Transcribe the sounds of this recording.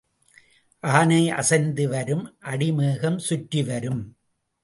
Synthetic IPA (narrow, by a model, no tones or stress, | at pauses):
ʔaːnɐɪʔɐ̰sɐɪnd̪ɯʋɐɾɯmʔɐɽɪmɯːɣɐmsʊʈːɪʋɐɾɯm